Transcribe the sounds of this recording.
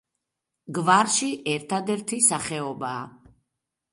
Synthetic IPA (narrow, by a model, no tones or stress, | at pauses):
ɡvaɾʃiʔɛɾt̪ʰad̪ɛɾt̪ʰisaχɛɔbaː